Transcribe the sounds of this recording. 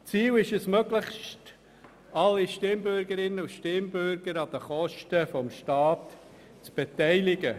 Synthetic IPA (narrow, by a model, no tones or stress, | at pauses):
t͡siːlɪʃɛsmøɡlɪχʃt | ɑlːiʃtɪmbʏɾɡəɾɪnːəuʃtɪmbʏɾɡ̥əɾɑd̥̪əχɔʃtəfɔmʃtɑːt | t͡sb̥etæɪlɪɡə